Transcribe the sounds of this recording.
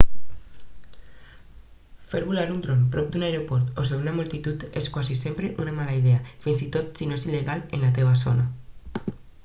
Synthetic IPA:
feɾβulaɾunt̪ɾompɾɔp̚d̪unaeɾopɔɾt̪os̬eβunamult̪it̪ut̪eskwazisempɾeʔunamalaiðeafinzit̪ot̪sinoesileɣalḛnlat̪eβaso̰na

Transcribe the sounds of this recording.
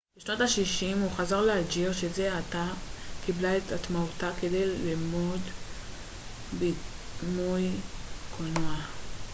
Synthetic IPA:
b̥eʃnotaʃiʃimuχazaʁlead͡ʒiʁʃeze̞atakiblaetatmautake̞de̞jlimod | bi | nujkʰonoa

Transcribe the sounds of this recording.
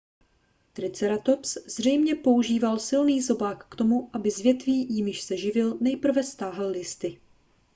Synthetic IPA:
t̪ɾɪt͡sɛɾat̪o̞pszr̝ɛjmɲɛpo̞uʒiːvalsɪlniːzo̞baːkːt̪o̞muʔabɪzvjɛt̪viːjɪmɪʃsɛʒɪvɪlnɛjpr̩vɛst̪aːɦl̩lɪst̪ɪ

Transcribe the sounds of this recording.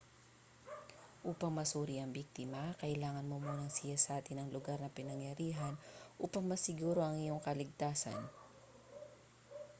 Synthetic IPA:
ʔuːpɐŋmɐsuːɾiʔɐŋbik̚t̪ɪmɐkɐʔɪlaːŋɐnmomuːnɐŋsɪjasɐʔaːt̪ɪnɐŋlʊɡaɾnɐpɪnɐŋjɐɾiːɦɐnʔuːpɐŋmɐsɪɡuːɾo̞ʔɐŋɪjo̞ŋkɐlɪɡ̚t̪aːsɐ̰n

